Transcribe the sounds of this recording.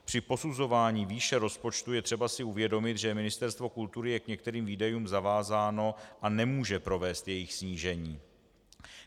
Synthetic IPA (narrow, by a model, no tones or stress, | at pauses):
pr̝̥ɪpo̞suzo̞vaːɲiːviːʃɛɾo̞spo̞t͡ʃt̪ujɛt̪r̝̥ɛbasɪuvjɛdo̞mɪt̪ʒɛmɪnɪst̪ɛɾst̪vo̞kult̪uɾɪjɛkɲɛkt̪ɛɾiːmviːdajuːmzavaːzaːno̞ʔanɛmuːʒɛpɾo̞vɛːst̪jɛjɪxsɲiːʒɛɲiː